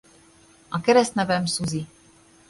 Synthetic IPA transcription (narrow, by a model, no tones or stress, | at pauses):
ʔakɛɾɛsnɛvɛmsuzi